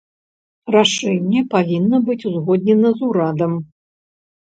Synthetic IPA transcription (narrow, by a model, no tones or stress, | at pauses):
raʂɛnʲːɛpavʲinːɐbɨt͡sʲuzɣɔd̪ʲnʲɛnɐzuɾad̪ɐm